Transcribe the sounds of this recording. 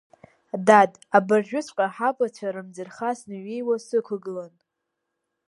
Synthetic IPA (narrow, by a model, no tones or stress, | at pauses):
dad | abarʒᶣʊt͡sʷʼqʼaħapʼat͡ɕʷʰaɾɨmd͡zɨrχasnɨɥe̞jwasɨkʷʰʊɡɨlan